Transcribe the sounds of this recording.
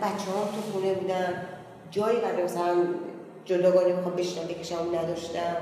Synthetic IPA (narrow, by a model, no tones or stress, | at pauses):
bæt͡ʃʰːehɒːmt̪ʰuxunebuːd̪æn | d͡ʒɒːjibæɾd̪emasælæn | d͡ʒold̪ɒɡɒːnemixɒmbeʃnænd̪ekʰʲeʃæmunæd̪ɒʃt̪æ